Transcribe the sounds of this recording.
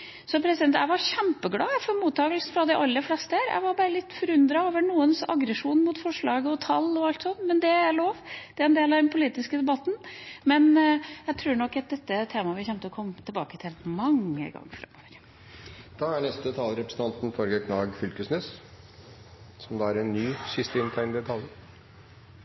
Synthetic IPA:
sɔpʰɾɛsɪd̪ɛnt̪æɪʋɑɾçæmpəɡlɑːfɔɾmuːt̪ːɑːɡəlsn̩fɾɑd̪ɪʔɑlːəflɛst̪əhæɾæ̰ɪʋɑɾbɑɾəlɪt̪ːfɔɾʉnd̪ɾɑoːʋəɳuːənsɑ̰ɡɾəʂuːnmʊt̪fɔʂɭɑːɡəɔt̪ʰɑlːɔɑlt̪sɔnːmɛnd̪ɛæloːʋd̪̥ɛæɾɛnd̪eːlɑʋd̪ɛnpʰʊliːt̪ɪskəd̪ɛbɑt̪n̩mɛnjæɪt̪ʰɾuːɾɳɔkːɑt̪̚d̪ɛt̪ːət̪ʰeːmɑʋɪlçɛmt̪əɔkʰɔmːt̪ʰɪlbɑ̰ːkət̪ʰɪlmɑŋːə̰ɡɑ̰ŋːfɾɛ̰mːo̰ːʋəɾ | d̪̥ɑːæɳɛst̪ət̪ʰɑːlɾɛpɾəsən̩t̪ʰɑnt̪n̩fɔɾɡəkʰnɑːɡfʏlkəsnɛs | sɔmd̪ɑːæɾɛnːyːsɪst̪əɪnt̪ʰæɪnd̪ɛt̪ʰɑljəɾ

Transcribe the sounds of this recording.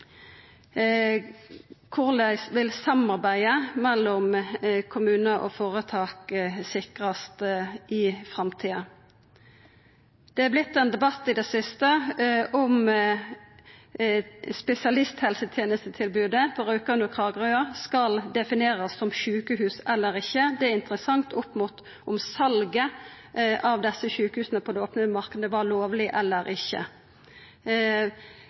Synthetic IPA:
kʰʊʁlæɪsʋɪlsɑmɑʁbæɪəmɛlːɔmkʰʊmʉːnəʔo̰foːʁət̪ʰɑːksɪkʁɑst̪ʔɪfʁɑmt̪ʰiːɑ | d̪̥ɛæblɪt̪ːɛnd̪ɛbɑt̪ːɪd̪ɛsɪst̪əʔɔm | spɛsɪɑlɪst̪hɛlsət̪ʰjeːnəst̪ət̪ʰɪlbʉːd̪əbʁʉːkəʉnəkʰʁɑːɡʁøːɑskɑld̪ɛfɪneːʁəsːɔmʃʉːkəhʉːsɛlːəʁɪçːəd̪ɛæɪnt̪əʁəsɑŋt̪ʊpːmut̪ | ɔmsɑlɡə | ʔɑʋd̪ɛsːəçʉːkəhʉːsnəpʰɔd̪ɛoːpnəmɑʁkəd̪əʋɑloːʋlɪʔɛlːəɾɪçːə̰

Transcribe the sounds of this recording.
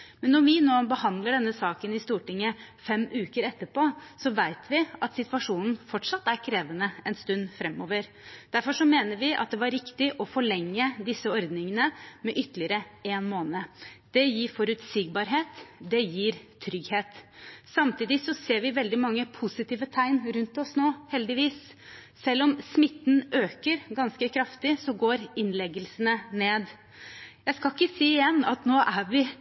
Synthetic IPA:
mɛnːɔʋɪnoːbəhɑnd̪ləɖɛnːəsɑːkənɪst̪uːʈɪŋːəfɛmʔʉːkəɾɛt̪ːəɾpoːsɔʋæɪt̪ʰʋɪʔɑt̪sɪt̪ʋɑʂuːnn̩fɔʈʂɑt̪ːæɾkʰɾeːʋənəɛnst̪ʉnd̪fɾɛmːoːʋəɾ | d̪̥æɾfɔʂɔmeːnəɾʋɪʔɑ̰t̪̚d̪ɛʋɑɾɪkt̪ɪʔɔfɔɭɛŋːəd̪ɪsːəɔɾd̪nɪŋənəmɛʔʏt̪ːlɪəɾəeːnmoːnəd̪̥ɛjiːɾfɔɾʉt̪siːɡ̚bɑːɾɦeːt̪d̪ɛjiːɾt̪ʰɾʏɡheːt̪sɑmt̪ʰiːd̪ɪsɔseːɾʋɪʋɛld̪ɪmɑŋːəpʰʊsɪt̪iːʋət̪ʰæɪnɾʉnt̪ɔsnoːhɛld̪ɪʋiːs | sɛlːɔmsmɪt̪ːn̩ʔøːkəɾɡɑnskəkʰɾɑft̪ɪsɔɡoːɾɪnlɛɡəlsənəneːd̪ | jæɪskɑɪkːəsiːɪjɛnːɑt̪noːʔæʋɪ

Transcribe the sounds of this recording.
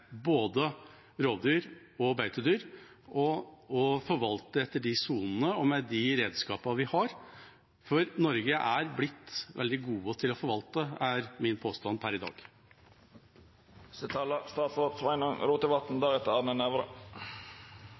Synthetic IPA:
boːd̪ə | ɾoːʋd̪yːɾ | ɔbæʏt̪ʰəd̪yːɾ | ʔɔɔfɔɾʋɑlt̪əɛt̪ːəɖɪsuːnn̩əɔmɛd̪ɪɾeːd̪skɑːpɑʋɪhɑɾ | fɔɾnɔɾɡəʔæɾblɪt̪ːʋɛ̰ld̪ɪɡuːət̪ʰɪlɔfɔɾʋɑlt̪əæɾmɪnpʰoːst̪ɑnpʰæɾɪd̪ɑ̰ːɡ̥ | sɛt̪ʰɑːlɑst̪ɑːt̪soːt̪sʋɑɪnɔŋɾuːt̪əʋɑt̪n̩d̪ɑːʁɛt̪ːəɑnənɛʋɾə̰

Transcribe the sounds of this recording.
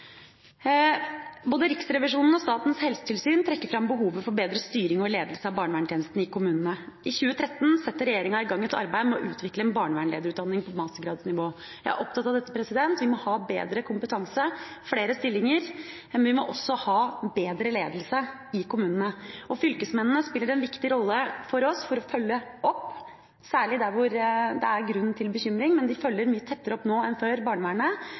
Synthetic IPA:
boːd̪əɾɪksɾɛʋɪʂuːnn̩ɔst̪ɑːt̪n̩shɛlsə̥t̪ʰɪlsyːnt̪ʰɾɛkːəɾfɾɑmbəɦuːʋəfɔɾbeːd̪ɾəst̪yːɾɪŋɔleːd̪lsəɑbɑːɳʋæːɳʈ̪jeːnəst̪n̩ɪkʊmʉːnənəʔɪçʉːət̪ʰɾɛt̪ːn̩sɛt̪ːəɾɛjeːɾɪŋɑɪɡɑŋːɛt̪ʰɑ̰ɾbæɪmɛɔʔʉːt̪ʰʋɪkləɛnbɑːɳʋæːɳḛːd̪əɾʉːt̪d̪ɑnːɪŋpʰɔmɑst̪əɡɾɑːd̪snɪʋoː | jæɪæ̰ɾʔɔpt̪ɑt̪ːɑʋd̪ɛt̪ːəpɾɛsɪd̪ɛnt̪ʋɪmɔhɑːbḛːd̪ɾəkʰʊmpət̪ʰɑŋsə | fɽeːɾəst̪ɪlːɪŋəɾ | ʋɪmɔʔɔsːɔhɑːbeːd̪ɾəleːd̪əl̩sə | ɪkʊmʉːnənəɔfʏlkəsmɛnnəspɪlːəɾɛnʋɪkt̪ɪɾɔlːəfɔɾɔsfɔɾɔfœlːəʔɔpː | sæːɭɪd̪æɾʋʊɾd̪ɛ̰æɾɡɾʉnːn̩t̪ʰɪlbəçʏmɾɪŋmɛnd̪ɪfœlːəɾmyːət̪ʰɛt̪ːəɾəɔpːnoːɛnføːɾbɑːɳəʋæːɳə

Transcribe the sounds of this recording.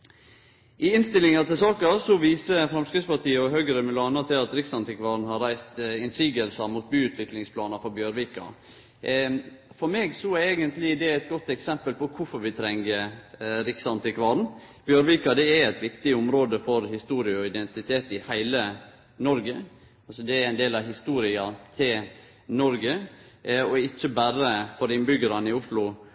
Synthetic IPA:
ʔɪɪnst̪ɪlːɪŋɑt̪ɪlsɑːkɑsɔʋiːsəfɾɑmskɾɪɡspɑt̪iːəɔɦøɡəɾəmʉlɑːnət̪ʰɪlɑt̪ɾɪksɑnt̪ɪkʋɑːɾn̩hɑɾæɪst̪ɪnsiːɡəlsəmuːt̪̚byːʉːt̪ʰʋɪklɪŋspʰlɑːnəfɔɾbjøːɾʋɪkɑ̰ | fɔɾmeːɡsɔeːɡənt̪lɪd̪ɛæɪt̪̚ɡɔt̪ːɛksɛmpəlpɔkʰʊfɔɾʋɪt̪ʰɾɛŋəɾɪksɑnt̪ʰɪkʰʋɑɾn̩ | b̥jøːɾʋɪkɑd̪ɛæɾæt̪ʋɪkt̪ɪʊmɾoːd̪əfɔɾhɪst̪uːɾɪəɔɪd̪ɛnt̪ɪt̪ʰeːt̪ɪhæɪlə | nɔɾɡə | ɑlsɔd̪ɛæɾæɪnd̪eːlɑʋɦɪst̪uːɾɪɑt̪ʰɪl | nɔɾɡə | ɔɪt͡ʃːəbæɾəfɔɾɪnbʏɡəɾɑnɪʊʂlʊ

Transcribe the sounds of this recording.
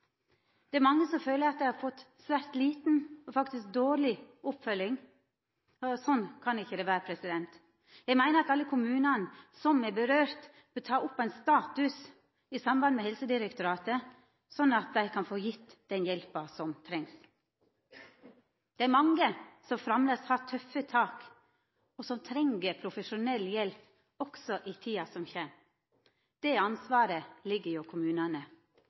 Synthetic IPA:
d̪̥ɛæɾmɑŋːəsɔmføːləɾɑt̪̚d̪æɪhɑɾfɔt̪ː | sʋæɾt̪liːt̪n̩ɔfɑkt̪ɪsk̚d̪oːɾɭɪʊpfœlːɪŋ | ɔsɔnːkʰɑnɪçːəd̪ɛʋæːɾəpʰɾɛsɪd̪ɛnt̪ | jæɪmæɪnəɾɑt̪ɑlːəkʰʊmʉːnɑnsɔmɛbəɾøːɾt̪ | b̥ət̪ʰɑːʊpːæɪnst̪ɑːt̪ʉs | ɪsɑmbɑnmɛhɛlsəd̪ɪɾɛkt̪ʊɾɑːt̪ə | sɔnːɑt̪̚d̪æɪkʰɑnfoːjɪt̪ːd̪̥ɛnjɛlpɑsɔmt̪ʰɾɛŋs | d̪̥ɛæɾmɑŋɡəsɔmfɾɑmləshɑt̪ʰœfət̪ʰɑːk | ɔsɔmt̪ʰɾɛŋɡəpʰɾʊfəʂʊnɛlːjɛlp | ɔksɔʔit̪ʰiːɑsɔmçɛm | d̪̥ɛɑnsʋɑːɾəlɪɡːəɾjʊkʰʊmʉːnɑnə

